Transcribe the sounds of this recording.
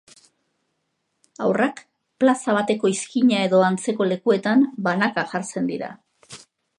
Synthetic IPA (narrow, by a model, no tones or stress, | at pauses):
awrak | plasaβ̞at̪e̞ko̞iskiɲae̞ðo̞ant͡se̞ko̞le̞kue̞t̪ambanakaʝaɾt͡se̞nd̪iɾa̰